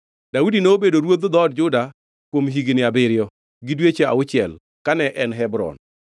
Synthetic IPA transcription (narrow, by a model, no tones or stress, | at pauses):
d̥audinɛobedoɾwod̪d̪ɔd̚d͡ʒʊda | kwomɦiɡnɪabɪɾɪjɔ | ɡɪdwet͡ʃea̰ʊt͡ʃɪɛl | kanɛʔɛnɦɛbɾɔ̰n